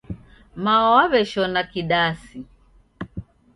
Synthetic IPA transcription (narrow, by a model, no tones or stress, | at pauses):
maɔwaβɛʃɔnakiɗasi